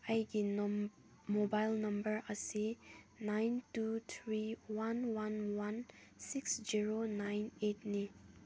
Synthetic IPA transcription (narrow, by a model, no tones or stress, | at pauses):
ajɡi | mobajlnʌmbəɹasinajntut̪ʰɹiwanwanwansiksd͡ʒiɹonajnet̚ni